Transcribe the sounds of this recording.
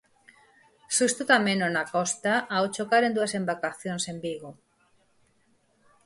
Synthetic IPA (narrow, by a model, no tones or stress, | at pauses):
sust̪ut̪amẽnonakɔst̪aawt͡ʃokaɾend̪uasembakaθjonsembiɣo